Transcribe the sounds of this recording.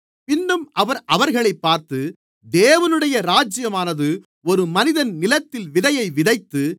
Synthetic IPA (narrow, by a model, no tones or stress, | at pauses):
pɪnːɯmʔɐʋɐɾʔɐʋɐɾɣɐɭɐɪpːaːɾt̪ɯ | d̪eːʋɐnɯɽɐjɐɾaːd͡ʒɪjɐmaːnɐðɯ | ɔɾɯmɐnɪðɐnnɪlɐt̪ːɪlʋɪðɐjɐɪʋɪðɐɪt̪ːɯ